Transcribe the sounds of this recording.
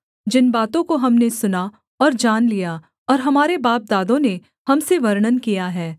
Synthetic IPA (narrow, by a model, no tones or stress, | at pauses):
d͡ʒɪnbaːt̪õkoɦɐmnesʊna | ɔːɾd͡ʒaːnlija | ɔːɾɦɐmaːɾebaːp̚d̪aːd̪õne | hɐmseʋɐɾɳ̃ənkijaɦɛː